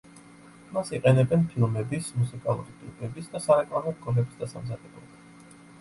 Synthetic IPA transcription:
masiqʼɛnɛbɛnpʰilˠmɛbismusikʼalˠṵɾit̪ʼipʰʼɛbisd̪asaɾɛkʼlˠanɔɾkʼɔlɛbisd̪asamzad̪̥ɛblˠɔ̰ba

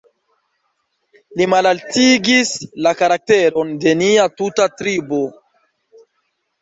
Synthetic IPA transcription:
limalaltiɡislakaɾak̚te̞ɾo̞nde̞niatutatɾibo̞

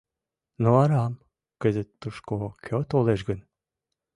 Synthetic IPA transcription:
noɑɾɑm | kəzət̪ːuʃkokʲʰøt̪oleʒɡən

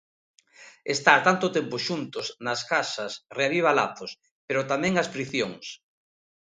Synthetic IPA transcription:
est̪at̪ant̪ʊt̪empʊʃunt̪ʊsnɐskasɐsreaβiβ̞ala̰θos | peɾʊt̪amɛ̃ŋɐspɾiθjoŋs

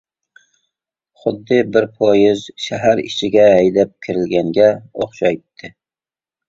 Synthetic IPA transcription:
χʊd̪ːɪbɪɾpʰɒjɪzʃæɦæɾɪ̰t͡ʃʰɪɡʲɛːjd̪ap̚kʲʰɪɾɪlɡʲæŋɡʲɛoχʃajt̪ʰːɪ

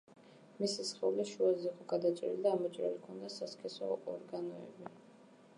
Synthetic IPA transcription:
misisχɛuliʃuaziːqʼɔɡad̪at͡ʃʼɛɾḭlid̪aːmɔt͡ʃʼɾa̰likʰɔnd̪asaskʰʼɛsɔ̰ɔɾɡanɔɛ̰bi

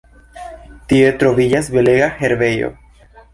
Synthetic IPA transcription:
t̪ie̞t̪ɾo̞vid͡ʒasbe̞leɡaxe̞ɾve̞jo̰

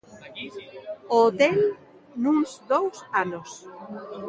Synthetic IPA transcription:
oːt̪el | nũŋzd̪owsanos

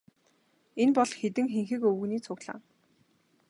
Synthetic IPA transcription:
enpɔɮxet̪ɘ̆ŋxeŋxɘ̆kɵwɵ̆ɣniːt͡sʰʊɣɮa̰ːŋ

